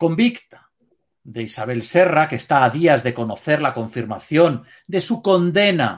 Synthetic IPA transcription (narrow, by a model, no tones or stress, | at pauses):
ko̞mbikt̪ḁ | d̪e̞isaβ̞e̞lse̞rakest̪aːðiazðe̞ko̞noθe̞ɾlako̞ɱfiɾmaθjo̞n | d̪e̞suko̞nd̪e̞na̰